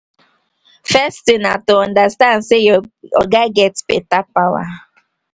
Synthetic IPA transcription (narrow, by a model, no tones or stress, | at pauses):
fɛstɪnatoɔ̃ndastãndsejɔ̰ɡaɡɛtpḛtapawa̰